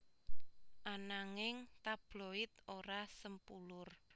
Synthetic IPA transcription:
ʔanaŋɪŋt̪ab̥loɪt̪oɾasəmpulʊr

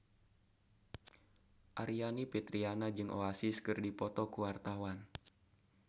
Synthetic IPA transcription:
ʔaɾianipɛt̪ɾianad͡ʒɨŋʔo̰asiskɨrdipɔt̪ɔkuwart̪awan

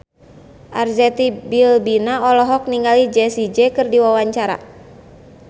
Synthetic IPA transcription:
ʔarzɛt̪ibilbinaɔlɔɦɔk̚niŋɡalid͡ʒɛsid͡ʒɛkɨrdiwawaɲt͡ʃaɾa̰

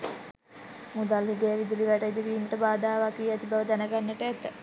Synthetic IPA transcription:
mud̪alɦiɡejəʋid̪uliʋæʈəid̪iɡiːməʈəbaːd̪aːʋakijɛt̪ibaʋəd̪ænəɡanːəʈəæt̪ə

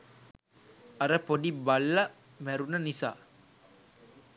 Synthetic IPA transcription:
ɐɾəpodibalːɐ | mæɾunənisa̰ː

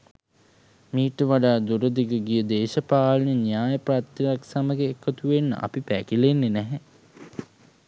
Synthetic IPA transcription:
miːʈəʋaɖaːd̪uɾəd̪iɡəɡijəd̪eːʃəpaːlənənjaːjəprat̪ɐjaksaməɡeːkʰːət̪uʋenːə̰ʔa̰pipæ̰kilenːenæɦɛ

